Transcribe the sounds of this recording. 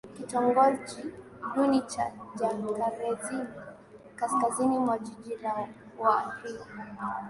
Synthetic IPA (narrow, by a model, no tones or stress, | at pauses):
kitɔŋɡɔd͡ʒi | ɗunit͡ʃad͡ʒakaɾɛzin | kaskazinimwad͡ʒid͡ʒiɾa | wafi